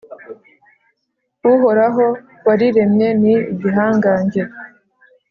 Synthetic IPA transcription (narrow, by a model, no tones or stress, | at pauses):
uɦo̞ɾaɦo̞ | waɾiɾemɲe̞niβiɦaːŋɡaːɲɟe